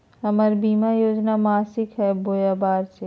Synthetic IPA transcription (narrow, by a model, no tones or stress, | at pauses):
ɐməɾbiːmajoːd͡ʒnamaːsɪkɦɛboːjaːbaːɾse